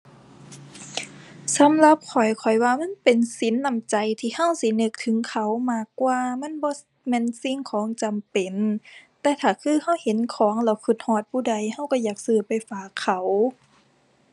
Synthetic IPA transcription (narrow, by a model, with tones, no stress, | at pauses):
sa˨˦mla˧˦p̚kʰɔ˨˩jkʰɔ˨˩jwaː˧ma˧˥˨npe˨˩nsi˨˦nːa˧˩˨mt͡ɕa˨jt̪ʰiː˧˨ha˧˥˩wsi˧˦nɤ˧k̚t̪ʰɯ˨˦ŋkʰa˧˩wmaː˧˩kːwaː˧ma˧˥˨nbɔː˧˦ | mɛː˧˥˨nsi˧˨ŋkʰɔː˨˦ŋt͡ɕa˨mpe˨nt̪ɛː˧˩t̪ʰaː˨˩kʰɯː˧˩˨ha˧˥˩whe˨˦nkʰɔː˨˦ŋlɛː˧˩wkʰɯ˧˩t̪̚hɔː˧˩t̪̚pʰuː˧˩da˧˩jha˧˥˩wka˧˩jaː˨˩k̚sɯː˧˩pa˨˩jfaː˧˩kʰːa˧˩w